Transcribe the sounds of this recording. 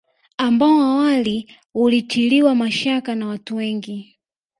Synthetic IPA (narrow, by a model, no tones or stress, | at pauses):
ambaɔawali | ulitʰiliwamaʃakanawatuwɛŋɡi